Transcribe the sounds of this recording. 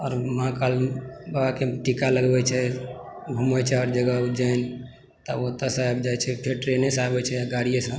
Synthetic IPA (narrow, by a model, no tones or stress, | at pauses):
ɔːɾmãkalbabakeʈikaləɡbɛt͡ʃʰɛ | bʱumɛt͡ʃʰɛɔɾd͡ʒəɡəud͡ʒan | t̪ɔot̪əsajbd͡ʒajt͡ʃʰɛpʰeɾʈɾenesabɛt͡ʃʰɛjaɡaɽijesə̃